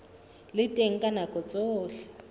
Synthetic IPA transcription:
lɪtʼeŋ̩kʼanakʼɔt͡sʼoːɬɛ̥

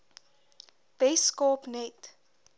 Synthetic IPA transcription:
b̥ɛskɔːpnɛt

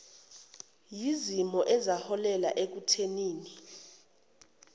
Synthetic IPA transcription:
jizimɔʔɛzahɔlɛla̰ʔek̬utʰeniːni

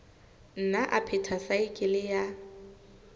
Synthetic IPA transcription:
n̩naʔapʰɪtʰasaɪkʼɪlɪja

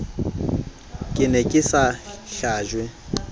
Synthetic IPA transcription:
kʼɪnɛkʼɪsaɬaːʒwɛ

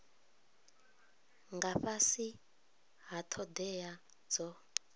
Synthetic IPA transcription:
ŋɡaɸasi | ɦatʰɔd̪ɛja | d͡zɔ

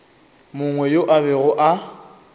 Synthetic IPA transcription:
mʊŋwɛjoʔaβɛɣʊʔa

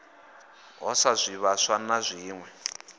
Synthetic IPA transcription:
ɦɔsazʷiβaʂanazʷiːŋwɛ

